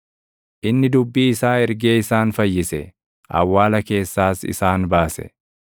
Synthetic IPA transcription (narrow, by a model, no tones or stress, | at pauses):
ʔɪnːɪd̪ʊbːiːɪsaːɛɾɡe̞ːɪsaːnfɐjːɪsɛ | ʔɐ̰wːaːlɐke̞ːsːaːsɪ̰saːnbaːsɛ̰